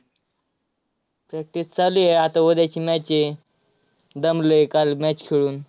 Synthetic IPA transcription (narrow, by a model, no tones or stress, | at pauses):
pɾɛk̚ʈist͡salujeat̪aʋəd̪jat͡ɕiːmɛt͡ɕe | d̪əmlekalmɛt͡ɕkʰeɭuːn